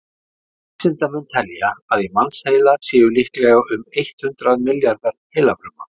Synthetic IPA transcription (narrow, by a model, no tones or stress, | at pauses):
sɪnt̪amɛnt̪ʰɛljaaðimansheːjlasɪːjʏlihklɛɣaʏmejht̪hʏnt̪ɾaðmɪljaɾðaɾheːjlapɾʏma̰